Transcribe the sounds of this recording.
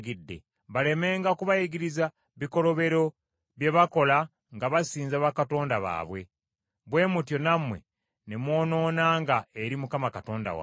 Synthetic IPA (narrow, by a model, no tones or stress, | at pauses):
ɡidːḛ | βale̞me̞ːŋɡakuβajiɡiɾiza | βiko̞ɾo̞βe̞ɾo̞ | βje̞βako̞la | ŋɡaβasiːnzaβakato̞ːndaβa̰ːβwe̞ | βwe̞ːmutjo̞namwe̞̰ | nemwo̞ːno̞ːnaŋɡaeɾimukamakato̞ːnda̰wa̰